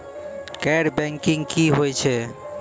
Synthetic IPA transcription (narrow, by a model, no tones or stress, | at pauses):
kɛɾbɛŋkiŋkiɦojt͡ʃʰe